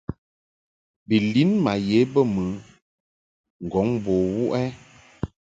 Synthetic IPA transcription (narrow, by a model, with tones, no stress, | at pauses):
bi˨li˦nma˨je˨˦bə˦˨mɨ˨˦ | ŋ̩˨ɡɔ˨˦ŋboː˨wu˦ʔɛ˦